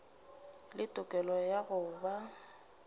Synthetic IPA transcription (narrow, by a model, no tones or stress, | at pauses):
lɪtʼʊkʼɛlɔjaɣʊːba